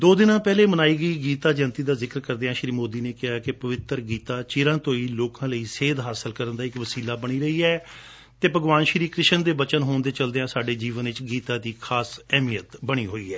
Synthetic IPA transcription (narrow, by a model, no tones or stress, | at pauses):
d̪oːd̪ɪnãːpɛːleːmənaːiːɡəiːɡiːt̪aːd͡ʒənt̪iːd̪aːzɪkəɾkəɾd̪eãːʃɾiːmoːd̪iːneːkɪɦaːkɪpəʋɪt̪əɾɡiːt̪aːt͡ʃɪːɾãːt̪õːiːloːkãːləiːseːd̪ɦaːsəlkəɾənd̪aːɪkʋəsiːlaːbəɽ̃iːɾəiːɛː | t̪eːpəɡʋaːnʃɾiːkɾɪʃənd̪eːbət͡ʃənɦoːnd̪eːt͡ʃəld̪eːãːsaːɖeːd͡ʒiːʋənɪt͡ʃɡiːt̪aːd̪iːkʰaːsɛːmijət̪bəɽ̃iːɦoːiːɛː